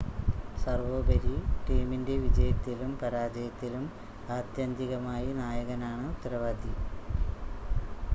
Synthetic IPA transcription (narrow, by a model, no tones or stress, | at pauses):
sɐrʋoːbɐɾiʈiːminde̞ʋid͡ʑɐjɐt̪ːilumpɐɾaːd͡ʑɐjɐt̪ːilum | aːd̪jɐnd̪iɣɐmaːjinaːjɐɣɐnaːɳɨt̪ɾɐʋaːd̪ʱi